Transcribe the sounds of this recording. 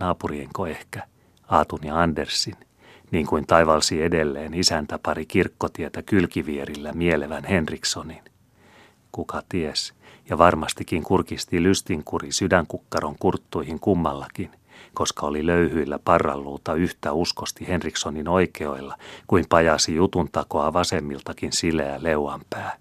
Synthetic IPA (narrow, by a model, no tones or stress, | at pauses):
ɑːpurieŋkoehkæ̥ | ɑːt̪unjɑɑndersːin | niːŋkuint̪ɑiʋɑlsiedelːeːnisænt̪æpɑɾikirkːot̪iet̪ækylkiʋieɾilːæmieleʋænhe̞nriksonin | kukɑt̪iesjɑʋɑrmɑst̪ikːiŋkurkist̪ilyst̪iŋkurisydæŋkukːɑroŋkurt̪ːuihiŋkumːɑlːɑkin | ko̞skɑoliløyhyilːæpɑrːɑ̰lːuːt̪ɑyht̪æuskost̪ihenriksonino̞ikeo̞ilːɑkuimpɑjɑsijut̪unt̪ɑko̞ɑʋɑsemːilt̪ɑkinsileæleuɑmpæː